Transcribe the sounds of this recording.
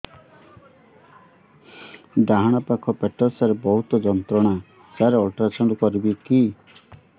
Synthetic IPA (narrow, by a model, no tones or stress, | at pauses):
d̪aɦaɽ̃apakʰɔpeʈɔsaɾebɔɦut̪ɔd͡ʒɔnt̪ɾɔɽ̃a | d͡ʒaɾeɔlʈɾat͡ʃʰɔɳɖɔkɔɾibiki